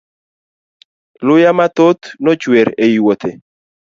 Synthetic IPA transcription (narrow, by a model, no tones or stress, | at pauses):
lʊjamat̪ot̪nɔt͡ʃweɾejwot̪ʰe